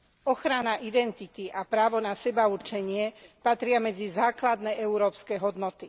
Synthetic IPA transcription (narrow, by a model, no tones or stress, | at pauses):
ɔxɾanaʔid̪ɛnt̪it̪iʔapɾaːʋɔnasɛbauɾt͡ʃɛɲɪɛpat̪ɾɪamɛd͡zizaːklad̪nɛɛuɾɔːpskɛɦɔd̪nɔt̪i